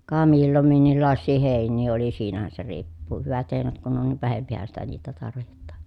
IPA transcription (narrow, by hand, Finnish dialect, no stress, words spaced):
kɑ milːom minːilːɑˑesːiː heˑinˑiː oli siːnæhæn se riːpːuː hyʋæt heˑinæt kun on niʋ ʋæhempihæn sitæ niːtæ tɑrʋihetːɑ̥ːn̥